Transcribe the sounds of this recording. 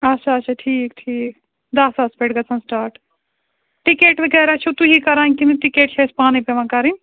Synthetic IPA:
ɐt͡ʃʰaːt͡ʃʰaʈʰiːkʈʰiːk | d̪ɐsɐspeʈɡɐt͡sʰɐ̃nsʈaːɾʈ | ʈikeːʈbekɐɾat͡ʃʰut̪uɦikɐɾanʲkiniʈikeːʈ̚t͡ʃʰespaːnipeʋãkɐɾin

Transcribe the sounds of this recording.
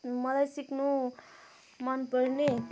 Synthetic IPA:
mʌlajsiknu | manpʌrne

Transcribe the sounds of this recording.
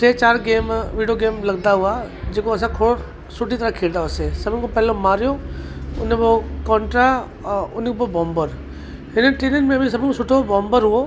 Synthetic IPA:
tet͡ɕaːɾɡeːmʋiːɖijoɡeːmlɐɡd̪aɦuad͡ʑeːkoɐs̬ãkʰoːɾ | sʊʈit̪ɐɾãkʰeːɽd̪aɦosesɐbʱɪnkʰõpɛɦlomaːɾijoʊnbokɔ̃ːɳʈɾa | ʊnkʰõbobɔ̃ːmbəɾ | ɦɪnəʈiːnənmẽbʱis̬ɐbʱɪ̃nkõsʊʈʰobɔ̃ːmbəɾɦʊo

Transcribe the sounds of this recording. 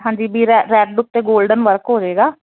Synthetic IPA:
ɦãːɲd͡ʒiːbʱiːɾɛɾɛːɖɖʊt̪ːeːɡoːlɖənʋəɾkɦoːd͡ʒeːɡaː

